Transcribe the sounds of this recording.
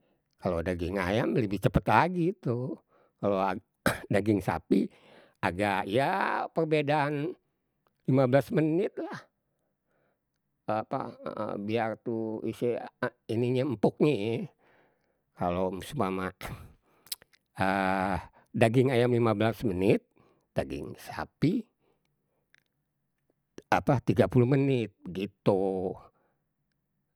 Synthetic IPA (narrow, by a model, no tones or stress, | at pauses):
kalodaɡɪŋa̰jamləbiht͡ʃəpət̪laɡit̪u | kalo | daɡɪŋsa̰pi | aɡaijapərbedaːn | limabəlasmənɪt̪̚lah | pa̰biart̪uisiiniɲam̩pɔk̚ɲe | kalomsumamaʔ | ə | daɡɪŋajamlimablasmənɪt̪̚ | d̥aɡɪ̰ŋsapi | apat̪iɡapuluhmənɪt̪̚bəɡit̪u